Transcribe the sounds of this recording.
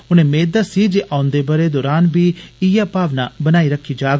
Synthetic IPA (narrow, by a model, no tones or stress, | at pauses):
ʊnẽːmeːd̪asiːd͡ʒeʔãːʊ̃nd̪eːbəɾed̪ɔːɾaːnbiːɪjaːpaːʋnabənaːiɾəkʰːid͡ʒaːɡ